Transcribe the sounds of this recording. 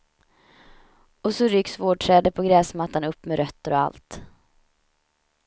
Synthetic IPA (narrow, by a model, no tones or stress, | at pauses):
ɔsɔɾʏksvoːɖ̚ʈʰɾɛːd̪əpʰɔɡɾɛːsmat̪ːanɵpːmɛɾœt̪ːəɾɔa̰lt̪